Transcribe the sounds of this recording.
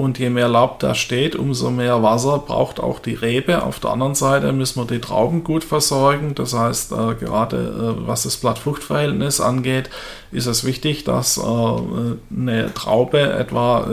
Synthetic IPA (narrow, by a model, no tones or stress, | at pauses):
ʔʊntʰjeːmeːɐlaʊp̚d̥a̰ʃteːtʔʊ̰mzo̰meːɐvas̬ɐb̥ʁa̰ʊxta̰ʊxd̥iːʁeːbəʔa̰ʊfd̥eːɐʔa̰ndəʁənzaɪtəmʏsn̩viːɐdiːtʁ̥a̰ʊbm̩ɡuːtfɛɐzɔɐɡŋ̩d̥ashaɪstɛːɡəʁ̞aːdə̰ːva̰sd̥asb̥latfʊxtfɐhɛltnɪsʔa̰nɡeːt | ʔɪstɛsv̥ɪçtɪçd̥a̰sɛː | nətʁ̥a̰ʊbəʔɛ̰tv̥aː